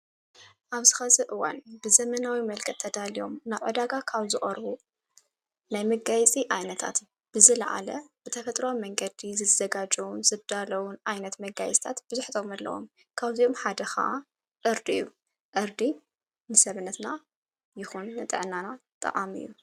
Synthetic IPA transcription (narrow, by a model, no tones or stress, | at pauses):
ʔaβzɨxɐzɐʔɨwa̰nbɨzɐmɐnawimɐlkʰɐt̪ʰːɐd̪alijo̞mnaβʕɨd̪aɡakʰaβzɨχʼɐɾβu | najmɐɡajt͡sʼiʔajnɐt̪ʰa̰t̪ | b̥ɨzɨlɐʕa̰lɐb̥ɨt̪ʰɐfɐt̪ʼɾomːɐŋɡɐd̪izɨzɐɡad͡ʒɐwunz̥ɨβd̪alɐwunʔajnɐt̪mɐɡajɛsʼt̪ʰat̪b̥ɨzuħt̪ʰomɐlːɐ̰wo̰m | kʰaβzio̞mħad̪ɐxa̰ʔa | ʔɨɾd̪iɨ̰jːu | ʔɨɾd̪i | nɨsɐβɨnːɐt̪na | jɪxunːɨt̪ʼɨ̰ʕnːanat̪ʼɨ̰ʔʼa̰mɨ̰jːṵ